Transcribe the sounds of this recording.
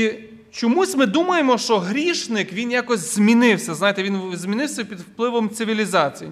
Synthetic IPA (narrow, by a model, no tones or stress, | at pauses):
i | t͡ʃɔmusʲmɪd̪umɐjemɔʃt͡ʃɔɦɾʲiʃnɪkʋʲinjakɔzʲz̥ʲmʲinɪwsʲɐznɑjet̪ɛʋʲinzʲmʲinɪwsʲɐpʲid̪wplˠɪʋɔmt̪sɪʋʲilʲizɑt͡sʲiji